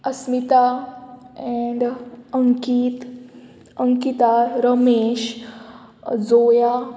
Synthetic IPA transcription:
əsmit̪a | ɛ̃ɳɖəŋkit̪ | əŋkit̪aɾəmeɕ | d͡zoja

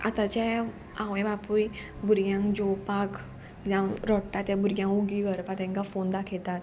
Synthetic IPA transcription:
a̰t̪at͡ɕa | ãʋjbapujbuɾɡjãŋkd͡ʑɔpak | d͡zãɾɔʈːat̪jabuɾɡjãŋkuɡiɡʱəɾpat̪ɛ̃ŋkafond̪akʰɛt̪at̪

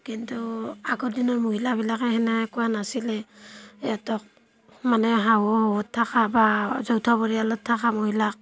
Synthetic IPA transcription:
kintuaɡɔdinɔɹmuɦilaβilakɛhɛnakɔanasilɛ | atɔk̚ | manɛɦawɔhɔwɔtʰːakabazɔwtʰabɔɹialɔtʰːakamuɦilak̚

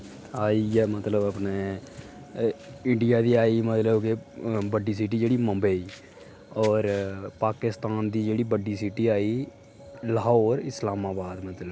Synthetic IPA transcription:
aːijaːmət̪ləbəpneː | ɪɳɖɪjaːd̪iːaːimət̪ləbkebəɖiːsiːʈ̬iːd͡ʒeːɽiːmə̃mbeːiː | ɔːɾpaːkɪst̪aːnd̪iːd͡ʒeːɽiːbəɖiːsiːʈiːaːiː | ləɦoːɾɪslaːmaːbaːd̪mət̪ləb

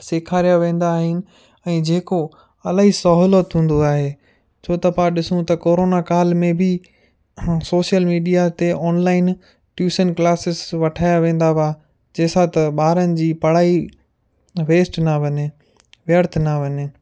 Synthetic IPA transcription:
seːkʰaːɾijaʋẽːn̆d̪aːɦɪnɪ̆ | ɛ̃ːd͡ʑeːko | ɐlaːɦisɐɦʊːlət̪ɦũːn̆d̪oaːɦeː | t͡ɕʰoːt̪ɐpãɗɪsũt̪ɐkoːɾoːnakaːlmẽbɪ | soːʃijəlmiːɖijat̪eʔɔːnlaːɪn | ʈjuːsənklaːsɪsʋɐʈʰaːjaʋẽːn̆d̪aʋaː | d͡ʑeːsat̪ɐɓaːɾənɪ̆d͡ʑiːpɐɽ̤aːi | ʋeːsʈnɐʋɐɲe | ʋɪəɾt̪ʰnɐʋɐɲɪ

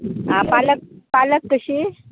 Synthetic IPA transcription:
ɦãpalək̚paləkːəɕe

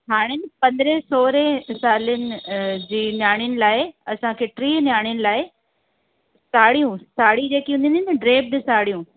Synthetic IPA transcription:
ɦaːɽ̃ɪnɪ̆pɐ̃nd̪ɾesoːɾesaːlənɪ̆d͡ʑiːnjaːɽ̃jənɪ̆laːɪɐsãkʰeːʈɾiːnjaːɽ̃ɪjənɪ̆laːɪ | saːɽijũsaːɽid͡ʑeːkiɦũnd̪ĩninɖɾeːb̚d̪ɪsaːɽijũ

